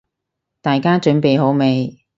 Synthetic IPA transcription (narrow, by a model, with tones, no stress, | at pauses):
t̪aː˨jkaː˥t͡ʃɵ˨˥npe˨jɦo˨˥wme˨˧j